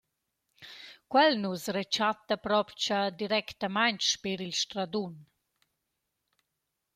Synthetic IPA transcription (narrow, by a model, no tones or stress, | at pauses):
kwɛlnusret͡ʃat̪ːapɾɔpt͡ʃad̪iɾɛkt̪amajɲt͡ʃʃpeɾilʃt̪ɾad̪un